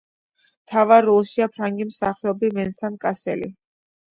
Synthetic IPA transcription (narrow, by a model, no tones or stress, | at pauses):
t̪ʰavaɾːɔlˠʃiapʰɾaŋɡimsaχɛɔbivɛnsʰankʼasɛ̰lḭ